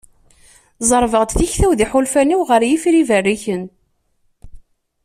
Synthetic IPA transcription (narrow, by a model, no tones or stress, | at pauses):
zˤəɾˤvəʁt̪θiçθæwðiħʊlfæniwʁəɾjifɾivərːiçən